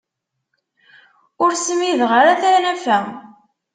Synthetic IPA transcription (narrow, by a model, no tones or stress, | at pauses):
ʊɾsəmiðʁaɾaθæɾnæfæ